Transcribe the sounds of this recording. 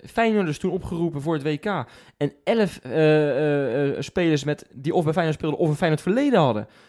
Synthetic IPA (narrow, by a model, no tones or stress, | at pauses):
fɛjnɔdəstunɔpχərupənvʊːɹətʋejkaː | ɛnɛləf | speːləɹsmɛtdiɔfbɛfɛjnəspɪːlˠdəʔɔfəfɛjnətfəlejdənɦɑdə̰